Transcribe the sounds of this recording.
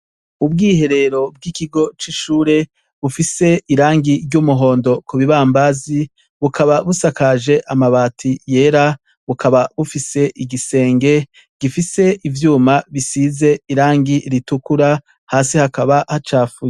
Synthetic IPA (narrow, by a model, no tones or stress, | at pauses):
ub̚ɡiːhe̞ɾe̞ɾo̞b̚ɡikiɡo̞t͡ʃiʃuːɾe̞ | βufise̞iɾaːŋɡiɾɟumuɦo̞ːndo̞kuβiβaːmbazi | βukʰaβaβusakaʒe̞ʔamaβaːtʰije̞ːɾa | βukaβaβufise̞ʔiɡise̞ːŋɡe̞ | ɡ̥ifise̞ʔivjuːmaβisize̞iɾaːŋɡiɾitukuɾa | haːsihakaβahat͡ʃaːfuj